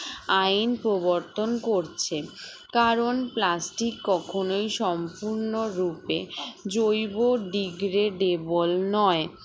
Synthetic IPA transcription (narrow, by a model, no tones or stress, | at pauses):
ajnpɾoboɾt̪onkoɾt͡ɕʰe | kaɾonplasʈikːɔkʰonojʃɔmpuɾnoɾuped͡ʑojboɖiɡɾeɖebolnɔe